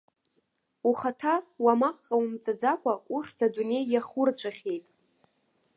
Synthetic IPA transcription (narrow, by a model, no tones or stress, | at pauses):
uχatʰawamaqʼqʼaumt͡sʼad͡zakʷʰʼauχʲd͡zʰadune̞jːaχʊrt͡ʃʷʰʼaχʲe̞jtʼ